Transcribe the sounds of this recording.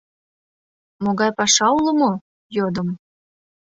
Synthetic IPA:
moɣɑjpɑʃɑulə̆mo | jod̪əm

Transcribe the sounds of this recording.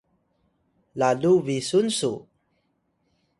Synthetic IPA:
laluvisunsu

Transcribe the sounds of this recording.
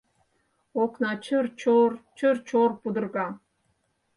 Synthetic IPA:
oqnɑt͡ʃʰərt͡ʃʰort͡ʃʰərt͡ʃʰorpud̪ə̆rɡɑ

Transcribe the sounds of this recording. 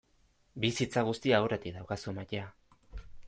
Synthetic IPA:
bisit͡saɣ̞ust̪iaːwɾet̪ikðawkasuemacea

